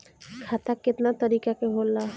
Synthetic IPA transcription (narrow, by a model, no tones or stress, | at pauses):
kʰaːt̪akɪt̪nat̪əɾiːkakeɦolːa